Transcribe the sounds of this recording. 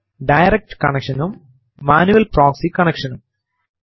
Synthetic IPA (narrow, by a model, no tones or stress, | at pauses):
ɖɐjɾek̚ʈkɐɳekʂɐnumː | aːnuʋɐlproːksikɐɳekʂɐnum